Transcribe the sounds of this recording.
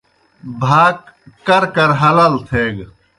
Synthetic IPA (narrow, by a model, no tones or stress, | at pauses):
bʱaːk | kɐɾkɐɾɦɐlaːlt̪ʰeːɡ